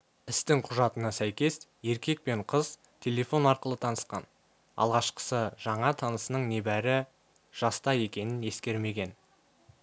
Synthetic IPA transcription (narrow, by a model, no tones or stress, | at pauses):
ɪst̪ɪŋqʰʊʒɑt̪ənɑsæjkʲe̞sje̞ɾkʲe̞k̚pe̞ɴqʰəz̥ | t̪ʲʰe̞lʲe̞fo̞nɑɾqəlˠət̪ʰɑnəsqɑ̰n | ɑ̰lˠʁɑʃqə̥səʒ̥ɑɴɑt̪ʰɑnəsənəɴne̞bæɾɪ | ʒ̥ɑst̪ɑje̞kʲe̞nɪnje̞skʲe̞ɾme̞ɡʲe̞n